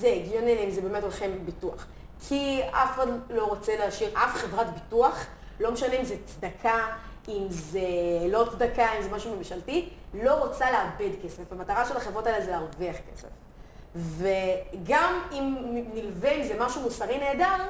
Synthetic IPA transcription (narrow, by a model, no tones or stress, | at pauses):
zeːɡjoneleimzebeːmetolχembitua̰χ | kʰiafχadlo̞ʁot͡seleːʃiʁʔafχevʁatbituaχ | lo̞meʃaneimzet͡sd̪akʰaimzelo̞t͡sd̪akaimzemaʃume̞mʃaltilo̞ʁot͡saleabedkesefamataʁaʃe̞lhaχevʁo̞taelzelaʁviaχke̞̰sḛf | veɡamimnilveimzemaʃumusaʁine̞ːdaʁ